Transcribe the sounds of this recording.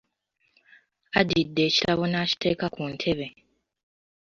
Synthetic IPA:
adidːe̞ːcilaβo̞naːci̥tʰe̞ːkakuntʰe̞βe

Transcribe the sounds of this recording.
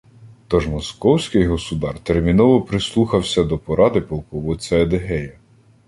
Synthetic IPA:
t̪ɔʒmɔskɔwsʲkɪjɦɔsʊd̪ɑrt̪ermʲinɔʋɔpɾɪslˠuxɐwsʲɐd̪ɔpɔɾɑd̪ɪpɔlˠkɔʋɔt͡sʲɐɐd̪eɦɛjɐ

